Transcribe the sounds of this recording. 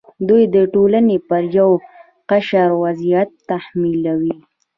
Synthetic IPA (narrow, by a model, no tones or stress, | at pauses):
d̪ujd̪əʈolanepəɾjaw | qaʃaɾwazijat̪ːahmilawi